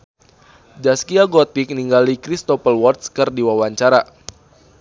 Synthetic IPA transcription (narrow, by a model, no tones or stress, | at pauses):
d͡ʒaskiaɡɔt̪ik̚niŋɡalikɾist̪ɔpəlwɔrt̪̚skɨrdiwawaɲt͡ʃaɾa